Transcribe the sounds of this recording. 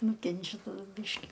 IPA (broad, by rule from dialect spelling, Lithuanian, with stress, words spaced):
ˈnʊkʲɛnʲt͡ʃʲɛ tɐˈdʊ ˈbʲiːʃʲkʲɪ